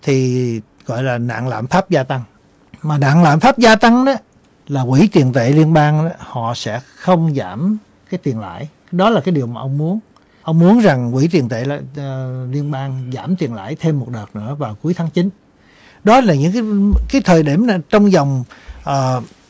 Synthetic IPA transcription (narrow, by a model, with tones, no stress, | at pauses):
t̪ʰi˨˩ | ɣɔ̰˧˨jlaː˨˩na̰ː˧˨nla̰ː˧˨mfaː˦˥p̚zaː˧t̪a˧ŋ | maː˨˩na̰ː˧˨ŋla̰ː˧˨mfaː˦˥p̚zaː˧t̪a˧ŋna˨˦ | laː˨˩kwḭ˧˩t̪i˨˩ənt̪ḛ˧˨li˧ənɓaː˧ŋa˨˦hɔ̰˧˨sɛ̰˧˥xə˧wŋ͡mzaː˧˩m | kaː˨˦jt̪i˨˩ənla̰ː˧˥˨j | ɗɔ˨˦laː˨kaː˨˦jɗi˨˩əwmaː˨˩ʔə˧wŋ͡mmu˨˦ən | ʔə˧wŋ͡mmu˨˦ənza˨˩ŋkwḭ˧˥t̪i˨˩ənt̪ḛ˧˨˧li˧ənɓaː˧ŋza̰ː˧˩mt̪i˨˩ənla̰ː˧˥˨jt̪ʰe˧mːo˨˩t̚ɗəː˨˩t̚nɨ̰˧˥əvaː˨˩wku˨˦əjt̪ʰaː˨˦ŋt͡ɕi˨˦n | ɗɔ˨˦laː˨˩ɲɨ̰˧˥ŋkaː˨˦kaː˨˦jt̪ʰəː˨˩jɗi˧˩əmna˨˩t͡ɕɔ˧wŋ͡mzɔ˨˩wŋ͡mʔəː˨˩